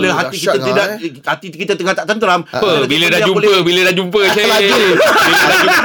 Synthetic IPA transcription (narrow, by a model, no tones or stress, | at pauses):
ləɦat̪ikit̪ət̪idaʔhat̪ikit̪ət̪əŋat̪aʔt̪ant̪əɾampəbilədaad͡ʒumolpəbilədad͡ʒumpət͡ʃeaubildau